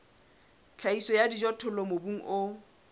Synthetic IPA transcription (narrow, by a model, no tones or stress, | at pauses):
t͡ɬʰaisɔjadid͡ʒɔtʰʊlɔmobuŋ̩ʔʊ